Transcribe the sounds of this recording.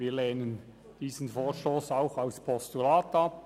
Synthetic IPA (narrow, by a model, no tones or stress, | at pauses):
iːleːnən | d̥iːsn̩foːʃtoːsaʊxaʊspʰɔstulaːtɑp̚